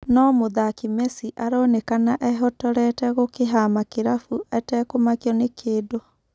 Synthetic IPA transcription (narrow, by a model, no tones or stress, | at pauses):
nɔmoðakimɛsiʔaɾɔnekanaʔɛɦɔtɔɾɛtɛɣokeɦamakeɾafuɛtɛkomakjɔnekʰeːdo